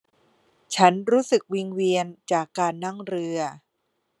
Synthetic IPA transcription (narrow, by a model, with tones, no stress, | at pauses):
t͡ɕʰa˦˥nɾuː˦˥sɯ˨˩k̚wi˧ŋwi˧ənt͡ɕaː˨˩kːaː˧nːa˥˩ŋɾɯ˧ɐ